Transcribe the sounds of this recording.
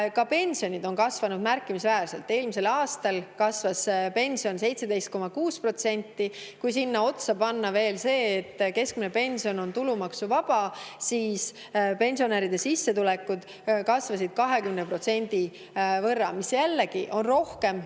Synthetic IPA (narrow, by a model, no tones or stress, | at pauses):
kɑpe̞nʲsio̞nʲid̪o̞nkɑsvɑnud̪̚mærkːˑimisvæːɾse̞lt̪ːˑe̞ːlmise̞lɑːst̪ɑlkɑsvɑspe̞nʲsio̞nse̞jt̪se̞d̪̥e̞jst̪ko̞mɑkuːspro̞t̪se̞nʲt̪ːikujs̬inːɑo̞t̪sɑpɑnːɑve̞ːlse̞ːt̪ːke̞sk̚minepe̞nʲsio̞no̞nt̪ulumɑksuvɑb̥ɑsiːs | pe̞nʲsio̞neɾid̪̥esisːe̞t̪ulekːˑud̪̥ | kɑsvɑsid̪̥̚kɑɦe̞kymnepro̞t̪se̞nʲd̪̥i | vɤrːɑmisjælːeɡiʔo̞nro̞hke̞m